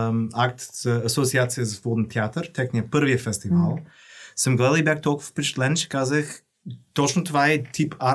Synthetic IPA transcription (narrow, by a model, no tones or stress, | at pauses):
ak̚t̪z̥əɐsot̪siat̪sijəzəvɔd̪nt̪ʲʰɛat̪əɾt̪ɛknʲiəpəɾviəfɛst̪ivalˠ | səmɡlˠɛlˠibjaxt̪ɔlˠkʊvə̥pɛt͡ʃt̪lɛnʃɛ̥kazəx | t̪ɔt͡ʃnʊt̪ovaɛt̪ʰipa